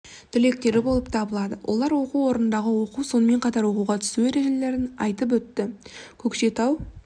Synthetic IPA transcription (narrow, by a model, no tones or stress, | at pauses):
t̪ʰɪle̞k̚t̪e̞ɾɪbo̞lˠəp̚t̪ʰɑbəlˠɑd̪əwʔo̰lˠɑɾwo̞quwwo̞ɾənənd̪ɑʁəwo̞quwso̞nəme̞ɴqɑt̪ɑɾwo̞quʁɑt̪ʰʏ̥sue̞ɾe̞ʒe̞le̞ɾɪnɑ̰jt̪əp̬wɵt̪ːɪkʲʰɵkʃe̞t̪ʰɑw